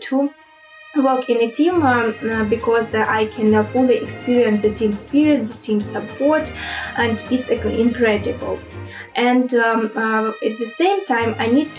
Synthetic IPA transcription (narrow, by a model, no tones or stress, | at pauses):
tʰu | wɜ˞kɪ̃nɨtʰĩmbɨkʰɔzaɪkʰɨ̃nfʊliʔɛkspiɹiɨ̃ns̬ðɨtʰĩmspiɹiə̃nsðətʰĩmssəpʰɔɹtʔɨ̃ndɪtsɪ̃nkʰɹɛdɨbəl̩ˠ | ʔɨ̃nd | ɨt̚ðɨsẽɪ̃mtʰãɪ̃maɪnid̚t